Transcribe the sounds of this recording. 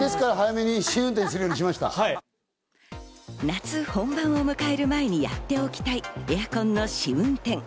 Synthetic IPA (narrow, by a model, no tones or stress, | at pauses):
d̪̥e̞sɨ̥kaɾaɦajame̞ɲiɕiɯ̃nt̪ẽs̬ɨɾɯjoːɲiɕ̬imaɕi̥t̪a̰hai | nat͡sɨhõ̞mbãɰ̃o̞mɯ̟kae̞ɾɯ̟mae̞ɲ̟ija̰t̪ːe̞o̞kʲi̥t̪aiejakõ̞nːo̞ɕiɯ̟̃nt̪ẽ̞ŋ